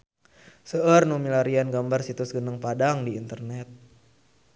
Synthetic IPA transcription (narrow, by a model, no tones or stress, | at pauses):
səʔərnumilaɾianɡambarsit̪ʊsɡənəŋpadaŋdiːnt̪ərnɛt̪̚